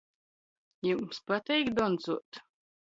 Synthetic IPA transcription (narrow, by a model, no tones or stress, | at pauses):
jumspat̪ɛjkd̪ɔnzuɔt̪